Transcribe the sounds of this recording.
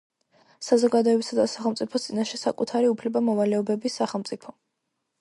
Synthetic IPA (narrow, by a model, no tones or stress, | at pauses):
sazɔɡad̪ɔɛbisad̪asaχɛlˠt̪sʼipʰɔst̪sʼinaʃɛsakʼut̪ʰaɾiupʰlɛbamɔvalɛɔbɛbisːaχɛlˠmt̪sʼipʰɔ